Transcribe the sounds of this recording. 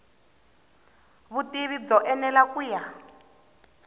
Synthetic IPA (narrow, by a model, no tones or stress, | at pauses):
βutiβid͡zɔʔɛnɛlakuja